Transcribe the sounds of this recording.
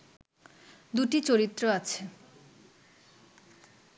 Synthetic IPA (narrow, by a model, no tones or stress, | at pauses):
d̪uʈit͡ɕoɾit̪ːɾoat͡ɕʰe